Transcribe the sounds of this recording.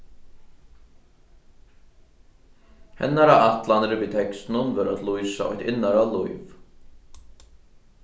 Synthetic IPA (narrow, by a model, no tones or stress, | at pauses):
hɛ̰nːaɾaat̪lanɾɪviːt̪ʰɛkst̪ɪnʊnvœɾat̪lujsa̰ʔɔ̰ht̪ɪnːaɾalujv